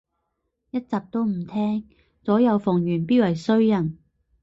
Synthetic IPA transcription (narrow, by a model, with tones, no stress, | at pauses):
jɐ˥t̚t͡saː˨p̚t̪o˥wm̩˨˩t̪ʰɛː˥ŋ | t͡sɔː˨˥jɐ˨˧wfʊ˨˩ŋjyː˨˩npiː˥wɐ˨˩jsɵ˥ɥjɐ˨˩n